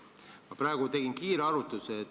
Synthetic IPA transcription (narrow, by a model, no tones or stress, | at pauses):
mɑpɾɑeɡ̥ut̪e̞ɡ̥inkiːɾeɑɾut̪ːˑuse